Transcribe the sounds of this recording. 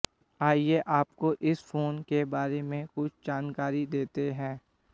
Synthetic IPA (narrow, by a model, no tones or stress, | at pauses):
aːieʔaːpkoʔɪsfoːnkebaːɾemẽkʊt͡ʃʰd͡ʒaːnkaːɾid̪eːt̪eɦɛ̃ː